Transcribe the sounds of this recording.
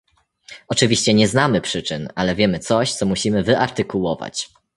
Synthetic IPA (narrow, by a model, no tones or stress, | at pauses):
ɔt͡ʂɘvʲiɕt͡ɕɛɲɛznamɘpʂɘt͡ʂɘnalɛvʲjɛmɘt̪sɔɕt̪sɔmuɕimɘvɘʔaɾt̪ɘkuwɔva̰t͡ɕ